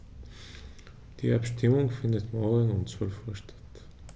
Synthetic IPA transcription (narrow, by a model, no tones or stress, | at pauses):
d̪̥ḭːapʃtʰɪmʊŋfɪnd̪ət̪mɔːɡənʊntt͡svœlfuːɐʃtʰḁt